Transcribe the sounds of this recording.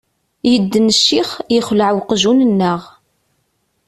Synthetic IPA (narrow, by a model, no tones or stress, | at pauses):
jəd̪ːnəʃːiχjəχləʕwqʒunənːəʁ